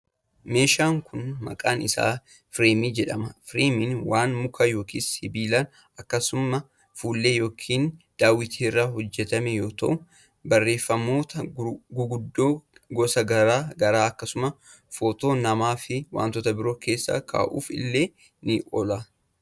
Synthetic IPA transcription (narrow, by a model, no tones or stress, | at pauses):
me̞ːʃaːŋkʰʊnmɐ̰kʼaːnɪsa̰ː | fɾeːmiːd͡ʒɛᶑɐmɐfɾeːmɪnwaːnmʊkʰɐjo̞ːkiːshɪbiːlan | ɐkːɐsʊmɐ | fuːlːe̞ːjo̞ːkʰiːnd̪̥aːwɪt̪ʰiːɪrːaːhɔd͡ʒːɛt̪ɐmɛjo̞ːt̪ɐ̰ʔʊ | bɐrːe̞ːfːɐmo̞ːt̪ɐɡʊɡʊd̪ːoːɡɔsɐɡɐɾaːɡɐɾaːɐkːɐsʊmɐ | foːt̪o̞ːnɐmaːfɪwa̰ːnt̪ɔt̪ɐbɪɾo̞ːkʰe̞ːsːa̰kʰa̰ːʔṵːfɪ̰lːe̞ː | nɪʔɔla